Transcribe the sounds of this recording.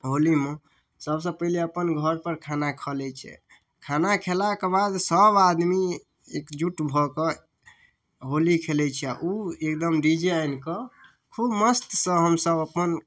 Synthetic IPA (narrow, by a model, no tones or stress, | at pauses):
ɦolime | səbs̬ə̃pəɦleəpənɡʱəɾpəɾkʰanakʰəlɛt͡ʃʰɛ̰ | kʰanakʰelakebad̪səbad̪mi | ḛkd͡ʒuʈbʱɔkə | ɦolikʰelɛt͡ʃʰɛaʔuekd̪əmɾid͡ʒeankɔ | kʰubməst̪sə̃ɦəmsəbəpən